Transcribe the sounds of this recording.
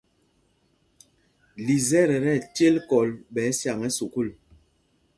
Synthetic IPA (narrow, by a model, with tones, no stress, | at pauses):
li˨zɛ˦ɾɛ˨ɾɛ˦˨tje˦lkɔ˨lɓɛ˨˦sja˨ŋɛ˦su˨ku˦˨l